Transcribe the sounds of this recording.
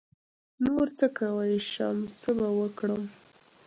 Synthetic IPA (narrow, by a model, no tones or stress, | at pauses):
noɾt͡səkawəjʃamt͡səbawəkɽəm